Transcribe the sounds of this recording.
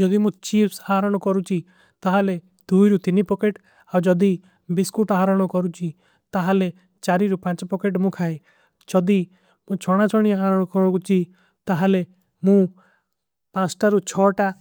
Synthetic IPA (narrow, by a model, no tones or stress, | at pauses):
d͡ʒɔd̪imũt͡ʃipʰsaɦɾɔɽ̃ɔkɔɾut͡ʃʰi | t̪aɦale | d̪̥ujɾut̪inipɔkeʈ | awd͡ʒɔd̪i | biskuʈaɦaɾɔɽ̃ɔkɔɾut͡ʃʰi | t̪aɦale | t͡ʃaɾiɾupãt͡ʃɔpɔkeʈmũkʰae | d͡ʒɔd̪i | mũt͡ʃʰɔɽ̃at͡ʃʰɔɽ̃iaɦaɾɔɽ̃ɔkɔt͡ʃʰi | t̪aɦale | mũ | pãt͡ʃʈaɾut͡ʃʰɔʈa